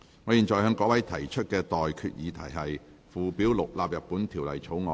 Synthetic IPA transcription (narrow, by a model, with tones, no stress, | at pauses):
ŋɔː˨˧jiː˨˩nt͡ʃɔː˨˩jhœ˨˧˥ŋkɔː˨˥wɐ˨˥jt̪ʰɐ˨˩jt͡ʃʰɵ˥t̚kɛː˧t̪ɔː˨jkʰy̰˧t̚jiː˨˧t̪ʰɐ˨˩jɦɐ˨j | fuː˨˩piː˨˥wlʊ˨k̚laː˨˧p̚jɐ˨t̚pːuː˨˥nt̪ʰiː˨˩wlɐ̰˨jt͡sʰo˨˥wŋɔː˧